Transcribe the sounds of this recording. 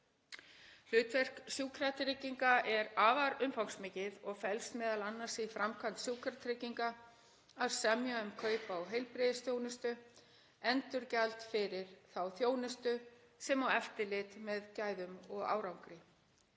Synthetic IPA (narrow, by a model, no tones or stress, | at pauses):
l̥ʏːt̪vɛr̥ksjuːkʰɾat̪ɾɪciŋkaʔɛɾaːvaɾʏmfawŋksmɪcɪðɔɣfɛlst̪mɛːðalanːasɪfɾamkʰant̪sjuːkʰɾaɾt̪ɾɪciŋka | aðsɛmjaʏmkʰœːɥpawɦejlpɾɪðɪsθjoːwnɪst̪ʏ | ɛnt̪ʏɾcalt̪fɪɾɪɾ̥θawθjoːwnɪst̪ʏ | sɛmawɛft̪ɪlɪt̪mɛðcaːjðʏmɔɣa̰ːwɾawŋkɾɪ